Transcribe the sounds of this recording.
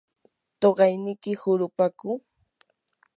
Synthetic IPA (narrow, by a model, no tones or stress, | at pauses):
t̪oɢɑjnɪkɪhʊɾʊpakʊ